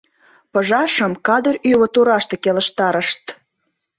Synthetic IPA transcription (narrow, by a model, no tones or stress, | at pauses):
pə̆ʒɑʃəmkɑd̪əryβə̆t̪uɾɑʃt̪ĕkeləʃt̪ɑɾəʃt̪